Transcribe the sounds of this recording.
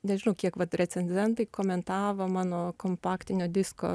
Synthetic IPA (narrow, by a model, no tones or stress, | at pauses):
nʲɛʒʲɪnɐʊkʲiɛkʋɐt̪ɾʲɛsʲɛnʲzʲɛnt̪ɐɪkoːmʲɛnt̪ɑːʋoːmɑːnoːkoːmpɑːkt̪ʲɪnʲoːd̪ʲɪsko̰ː